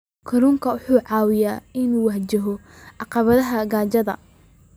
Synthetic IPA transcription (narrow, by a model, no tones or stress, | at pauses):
kʰɐɾuŋkʰɐʊħuːʕɑːwɪjaːɪnuːwɑħt͡ʃɐɦɔ | ɑqɑβɐðɐɦɐɡaːt͡ʃɐðɐ̰